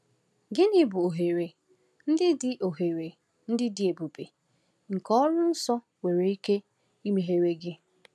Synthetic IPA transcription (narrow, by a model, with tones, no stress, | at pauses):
ɡɪ˦nɪ˨bʊ˨o˨ɦe˨ɾe˨ | n̩˦dɪ˦dɪ˦ʔo˨ɦe˨ɾe˨ | n̩˦dɪ˦dɪ˨e˨bu˨be˨ | ŋ̩˨kɔ˦ɾʊ˦n̩˦sɔ˦ | we˨ɾe˨i˦ke˦ | i˦me˨ɦe˨ɾe˨ɡɪ˦